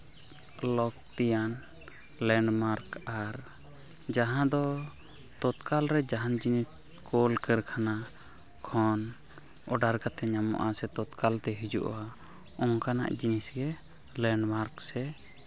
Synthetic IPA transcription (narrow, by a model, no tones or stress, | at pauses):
lɔkt̪ijan | lɛɳɖmaɾkaɾ | d͡ʒaɦãd̪ɔ | t̪ɔt̪kalɾɛd͡ʒaɦand͡ʒinis | kʰɔlkɛɾkʰana | kʰɔn | ɔɖaɾkat̪ɛɲamɔ̰ʔasɛt̪ɔt̪kalt̪ɛɦid͡ʒṵʔa | ɔŋkana̰ʔd͡ʒinisɡɛ | lɛɳɖmaɾksɛ